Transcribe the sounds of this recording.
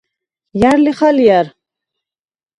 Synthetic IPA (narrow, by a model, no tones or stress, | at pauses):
jaɾliχaljaɾ